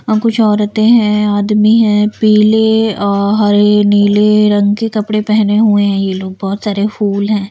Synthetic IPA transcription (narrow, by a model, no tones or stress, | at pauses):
kʊt͡ʃʰɔːɾɐt̪eɦɛ̃aːd̪miɦɛ̃ːpiːleɔːɾɦɐɾeniːleɾɐ̃ŋɡkekɐpɽepɛɦneɦueɦɛ̃jeloːɡ̚bɔːt̪saːɾefuːlɦɛ̃ː